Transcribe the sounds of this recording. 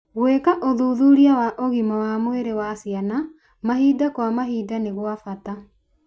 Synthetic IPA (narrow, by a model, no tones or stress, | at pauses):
ɣwekaʔoðuːðuɾiawaʔoɣimɔwamweɾewasjana | maɦiːdakwamaɦiːdaneɣwafata